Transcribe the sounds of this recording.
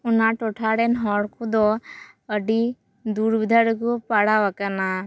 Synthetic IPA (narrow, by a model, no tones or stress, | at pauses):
unaʈɔʈʰaɽɛnɦɔɽkʰud̪ɔ | əɖi | d̪uɽbid̪ʱaɽikupaɽaʋakana